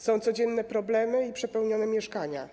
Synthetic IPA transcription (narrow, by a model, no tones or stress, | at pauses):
sɔ̃w̃t̪sɔd͡ʑɛnːɛpɾɔblɛmɘipʂɛpɛwɲɔnɛmʲjɛʂkaɲa̰